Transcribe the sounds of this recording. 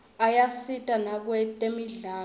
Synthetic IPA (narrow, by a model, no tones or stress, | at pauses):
ajasitʼanak̬wɛtʼemiɮaː